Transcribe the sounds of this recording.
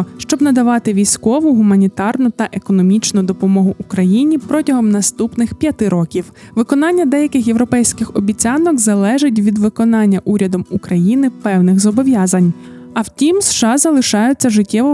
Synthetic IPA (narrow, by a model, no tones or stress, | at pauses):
ʃt͡ʃɔbnɐd̪ɐʋɑt̪ɪʋʲijsʲkɔʋʊɦʊmɐnʲit̪ɑrnʊt̪ɐʔekɔnɔmʲit͡ʃnʊd̪ɔpɔmɔɦʊʔukɾɐjinʲipɾɔtʲɐɦɔmnɐst̪upnɪxpʲjɐt̪ɪɾɔkʲiwʋɪkɔnɑnʲːɐd̪ɛjɐkɪxje̞wɾɔpɛjsʲkɪxɔbʲit͡sʲɑnɔkzɐlˠɛʒɪt̬ʲʋʲid̪ʋɪkɔnɑnʲːɐʔuɾʲɐd̪ɔmukɾɐjinɪpɛwnɪxzɔbɔʋʲjɑzɐnʲ | ɐwtʲimsʃɑzɐlˠɪʃɑjʊt͡sʲːɐʒɪtʲːɛʋɔ